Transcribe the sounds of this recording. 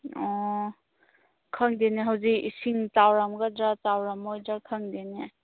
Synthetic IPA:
ɔ | kʰəŋdeneɦawzikḭsiŋtawɾamɡadɾatawɾamojdɾakʰəŋdene

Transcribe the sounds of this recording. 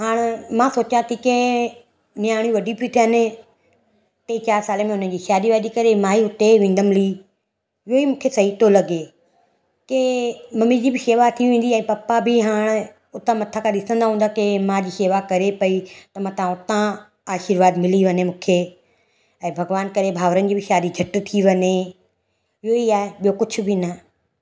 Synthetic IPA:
ɦaːɽ̃mãːsoːt͡ɕãt̪ʰiːkẽ | nɪjaːɽ̃jĩʋɐɖʱiput̪ʰiɦənɪ | t̪eit͡ɕaːɾsaːlemẽʊn̤ənd͡ʑiːʃaːd̪iʋaːd̪ikɐɾemãːiʊt̪eʋẽːnd̪əmɪli | ɪɦoiːmũːkʰesɐɦit̪olɐɡeː | kemɐmid͡ʑiːbɪʃeːʋat̪ʰiʋẽːn̆d̪iɛ̃ːpɐpabɪɦaːɽ̃ | ʊt̪ãmɐt̪ʰakʰãɗɪsə̃nd̪aɦũːnd̪akemãd͡ʑiːʃeːʋakɐɾepɐit̪ɐmãt̪ɐʋ̤ãʊt̪ã | aːʃɪɾʋaːd̪mɪliʋɐɲemũːkʰe | ɛ̃ːbʱɐɡʋaːnkɐɾebʱaːʋɾənɪd͡ʑiːbʱɪʃaːd̪id͡ʑʱɐʈt̪ʰiʋɐɲe | ɪɦoiaːɦeɓijokʊd͡ʑʰʱʊ̆bʱɪnɐ

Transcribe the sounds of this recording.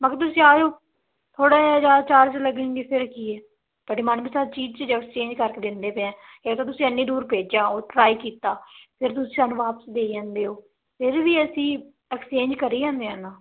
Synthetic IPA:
makət̪ʊsĩːaːd͡ʒoː | t̪ʰoːɽaːd͡ʒaːt͡ʃaːɾd͡ʒləɡẽːŋɡiːpʰɪɾkiːɛː | bəɖiːmənbiːsaːɾt͡ʃiːd͡ʒt͡ʃəd͡ʒəst͡ʃẽːɲd͡ʒkəɾkeːd̪ɪnd̪eːpɛ̃ãːeːkt̪ãːt̪ʊsĩːənːiːd̪uːɾpeːd͡ʒaːoːʈɾaːiːkiːt̪aːpʰɪɾt̪ʊsĩːsaːnːũːʋaːpə̥sd̪eːãːnd̪eːɦoː | pʰɪɾʋiːəsĩː | ɛkt͡ʃẽːɲd͡ʒkəɾiːd͡ʒãːnd̪eːanaː

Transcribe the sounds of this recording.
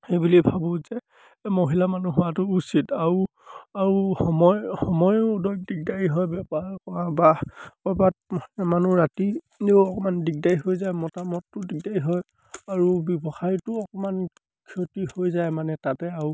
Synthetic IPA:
xejbulibʱabɔzɛ | moɦilamanuɦuatʊːsitaɹu | aɹuhɔmɔjxɔmɔjudɔɡ̚diɡ̚dajiɦɔjbɛpakɔabapɔbat̚mohilamanuɹati | ɔkɔmandiɡ̚dajɦojzajmɔtamɔtːʊdiɡ̚dajɦɔj | aɹubɔbɔxʰajtʊɔkɔman | kʰiotihojzajmanɛtatɛau

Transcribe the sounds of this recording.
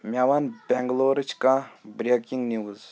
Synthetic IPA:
mʲawanbʲɛŋɡloɾɨt͡ʃʰkãbɾʲekʲiŋɡniwuz

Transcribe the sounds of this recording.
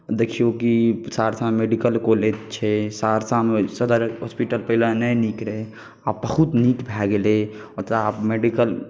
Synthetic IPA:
d̪ekʰijokisaɾsamemeɖikəlkoled͡ʒt͡ʃʰɛsaɾsamesəd̪əɾɦospiʈəlpəilanɛjnikɾe | abəhut̪nikbʱɛɡele | ot̪ɾaapmeɖikəl

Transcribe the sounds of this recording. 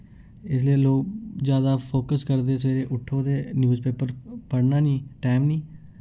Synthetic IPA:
ɪslieːloːɡzjaːd̪aːpʰoːkəskəɾd̪eːseːɾeːʔʊʈʰːoːd̪eːnjuːzpeːpəɾpəɽnaːnĩːʈaːmnĩː

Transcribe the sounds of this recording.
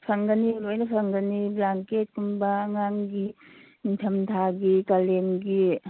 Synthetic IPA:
sʰaŋɡaniɾojnɐsʰaŋɡaniblaŋket̚kumbaːŋaŋɡi | tʰɐmtʰaɡikalenɡi

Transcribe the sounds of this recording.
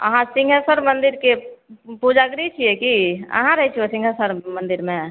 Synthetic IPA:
ə̰ɦãsiŋɡʱəsəɾmənd̪iɾkepud͡ʒaɡɾit͡ʃʰijekiə̰ɦãɾəɦɛt͡ʃʰiosĩŋɡʱəsəɾmənd̪iɾme

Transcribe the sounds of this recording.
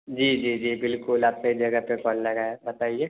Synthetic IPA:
d͡ʒiːd͡ʒiːd͡ʒiːbɪlkʊlaːp̚seid͡ʒɐɡəpekɔːlːɐɡaːɛbɐt̪aːieː

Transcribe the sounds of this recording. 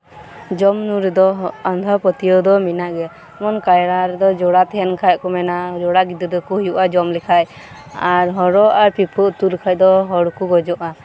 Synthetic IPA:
d͡ʒɔmnuɾɛd̪ɔɦand̪ʱɔpɔt̪ijɔd̪ɔminaʔɡɛa | mɔnkajɾaɾd̪ɔd͡ʒɔɽat̪ɛnkʰajkɔmɛnad͡ʒɔɽaɡid̪ɔd̪ɔkujuʔad͡ʒɔmlɛkʰaj | aɾɦɔɾɔʔaɾpipʰɔʔt̪ulkʰaj̚d̪ɔɦɔɽkuɡɔd͡ʒɔʔa

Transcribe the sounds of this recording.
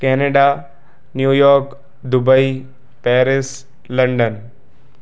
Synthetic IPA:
kɛːneɖa | njuːjɔːɾk | d̪ʊbəi | pɛːɾɪs | lɐ̃ɳɖən

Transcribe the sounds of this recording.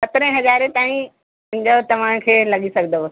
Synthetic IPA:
sɐt̪ɾẽɦɐzaːɾet̪aːĩ | ɪ̃nd͡ʑot̪ɐʋ̤ãːɽ̃kʰeːlɐɠisɐɡʱnd̪o

